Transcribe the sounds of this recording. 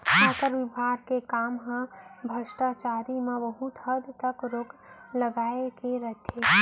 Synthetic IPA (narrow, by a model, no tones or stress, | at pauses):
kʰaːt̪əɾʋɪbʱaːɡkekaːmɦə̃bʱəʃʈat͡ʃaːɾimẽʋəɦut̪əd̪t̪əkɾoːkləɡaːekeɾət̪ʰe